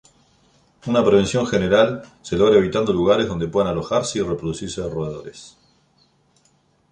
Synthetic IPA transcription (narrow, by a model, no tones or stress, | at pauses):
unapɾe̞βe̞nsjo̞ŋxeneɾalselo̞ɣɾaeβ̞it̪and̪o̞luɣaɾe̞ɦðo̞nd̪e̞pwe̞ðanalo̞xaɾseirepɾoðusiɾseðeroðeð̞o̞ɾes